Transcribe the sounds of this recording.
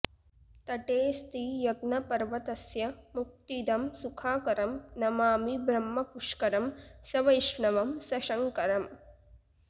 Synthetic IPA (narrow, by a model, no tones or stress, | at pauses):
t̪ɐʈeːst̪ijɐɡnɐpɐɾʋɐt̪ɐsjɐmuk̚t̪id̪ɐmsukʰaːkɐɾɐmnɐmaːmibɾɐmːɐpuʂkɐɾɐmsɐʋɐjʂɳɐʋɐmsɐʃɐŋkɐɾɐm